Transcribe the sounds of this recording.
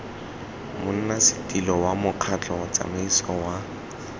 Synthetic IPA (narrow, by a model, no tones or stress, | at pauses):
mʊn̩nasɪ̥tʼilɔwamʊq͡χʰat͡ɬʼɔt͡sʼa̰maisɔwa